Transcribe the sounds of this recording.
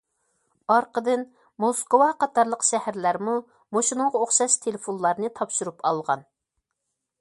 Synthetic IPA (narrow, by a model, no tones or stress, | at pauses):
ɑɾqəd̪ɨn | moskowɑqʰɑt̪ʰɑɾlˠəqʃɛhæɾlæɾmu | moʃinɨŋʁɑoχʃɑʃt̪ʰelɪfonlˠɑɾnɨt̪ʰɑpʃuɾupɑlˠʁɑn